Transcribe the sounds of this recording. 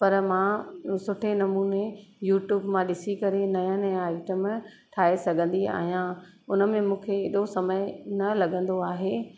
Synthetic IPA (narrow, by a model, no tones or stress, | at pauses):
pɐɾmãːsʊʈʰenɐmuːnejuːʈjuːbmãɗɪsikɐɾenɐjãnɐjãaːɪʈəm | ʈʰaːesɐɡʱə̃nd̪ia̰ːɦijã | ʊnəmẽmũːkʰeeɗosɐməjnɐlɐɠʱə̃nd̪oaːɦeː